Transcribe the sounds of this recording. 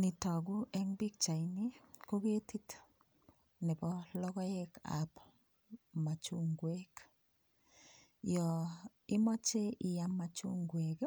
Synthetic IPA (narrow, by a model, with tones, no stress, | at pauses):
nɪ˨ta˨ɡu˦ʔɛŋbi˦k̚t͡ʃa˨inikoɣe˦ti˦t | ne˨βɔlɔ˦ɣɔ˦jeka̰p | ma˨t͡ʃuŋɡwek | jɔ | i˦mɔ˦t͡ʃe˦ʔi˨ja˦ma˨t͡ʃu˦ŋɡwek